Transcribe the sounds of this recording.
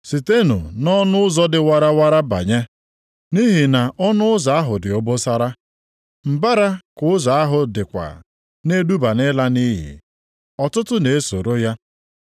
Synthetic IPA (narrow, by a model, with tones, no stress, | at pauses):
si˨te˦nṵ˨nɔ˦nʊ˦ʊ˦zɔ˦dɪ˨wa˦ɾa˦wa˦ɾa˦ba̰˨ɲe˦ | ni˦ɦi˨na˨ɔ˦nʊ˦ʊ˦za˨a˦ɦʊ˨dɪ˨ʊ˨bʊ˦sa˦ɾa˦ | m̩˨ba˦ɾa˦kʊ˦za˨a˦ɦʊ˨dɪ˨kʷa̰˨ | ne˦du˦ba˨nɪ˦la˦ni˦ɦḭ˨ | ɔ˨tʊ˦tʊ˦ne˨e˦so˨ɾo˦ja˦